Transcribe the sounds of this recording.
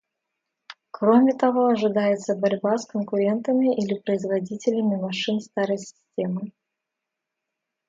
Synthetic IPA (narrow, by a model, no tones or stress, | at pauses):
kɾomʲɪt̪ɐvo̞ɐʐɨd̪ajɪt̪səbɐɾʲbaskənkʊɾʲe̞nt̪əmʲɪʔilʲɪpɾəɪzvɐdʲitʲɪlʲɪmʲɪmɐʂɨnst̪aɾəjsʲɪ̥sʲtʲe̞mɨ